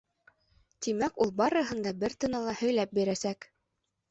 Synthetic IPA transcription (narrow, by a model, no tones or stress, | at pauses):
t̪imækulˠbɑɾɤ̆ɦɤ̆nd̪ɑbɘɾt̪ɤ̆nɑlˠɑhɵ̆jlæp̚biɾæsæk